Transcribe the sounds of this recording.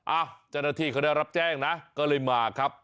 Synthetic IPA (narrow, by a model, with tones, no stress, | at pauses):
ʔaː˧˩wt͡ɕa˧˩naː˧t̪ʰiː˧˩kʰa˦˥daː˧˩jɾa˦˥p̚t͡ɕɛː˥˩ŋna˦˥kɔː˥˩lɤː˧jmaː˧˩kʰɾa˦˥p̚